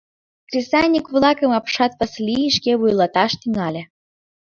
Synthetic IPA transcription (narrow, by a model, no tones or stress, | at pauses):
krʲesɑnʲikβlˠɑkə̆mɑpʃɑt̪̚pəslʲiiʃkeβujlɑt̪ɑʃt̪yŋɑlʲĕ